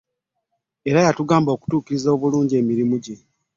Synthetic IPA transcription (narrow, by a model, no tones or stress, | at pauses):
e̞ɾajatuɡaːmbo̞ːku̥tuːkiɾizoːβuluːɲɟie̞ːmiɾimuɟe